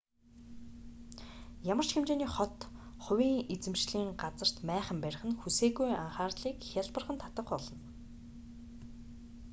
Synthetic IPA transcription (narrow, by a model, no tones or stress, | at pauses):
jamər̥t͡ɕxemt͡ɕeːniːχɔt̪χʊwʲiːŋet͡sɘ̆mʃɮiːŋɢat͡sə̆r̥t̪mæːχə̆mpæɾʲɪ̆χə̆nxuseːɣujaɴχaːrɮiːkxʲaɮpə̆rχə̆nt̪ʰat̪ə̆qpɔɮɞ̆n